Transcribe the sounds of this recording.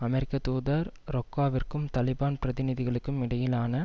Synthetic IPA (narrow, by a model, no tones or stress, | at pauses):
ɐmɛɾɪkːɐt̪uːðɐɾɾɔkːaːʋɪrkɯmt̪ɐlɪbaːnpɪɾɐðɪnɪðɪɣɐɭɯkːɯmɪɽɐjɪlaːnɐ